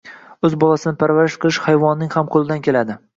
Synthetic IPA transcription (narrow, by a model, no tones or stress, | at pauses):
ɵzbɒlˠasɪnɪpʰaɾvaɾɪʃqʰɨlɪʃhajvɒnːɪŋʲhamqʰolɪd̪ankʲʰe̞lad̪ɪ